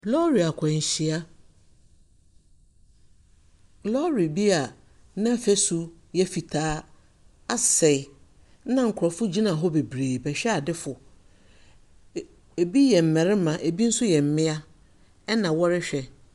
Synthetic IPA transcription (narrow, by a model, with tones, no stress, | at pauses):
lɔ˦ɾi˨a˨kʰã˨ɲ˨ɕi˨a˦ | lɔ˦ɾi˨bi˦a˨ | nã˦fæ˦su˨ | jɛ˦fi˨tʰaː˨˦ | a˦sɛ˨ɪ˨ | nã˦ŋ̩˨kʰʊ˨ɾɔ˨fʊ˦d͡ʑi˦nã˨ɦɔ˦be˨bɾeː˨bɛ˨ɕᶣɛ˦a˨dɪ˦fʊ˨ | e˨bi˦jɛ˨m̩˨mɛ̃˨ɾɪ˦mã˨ʔe˨bi˦n̩˦sʊ˦jɛ˨m̩˨mɪ̃˦a˦ | ɛ˦nã˨wɔ˦ɾɪ˦ɕᶣɛ˨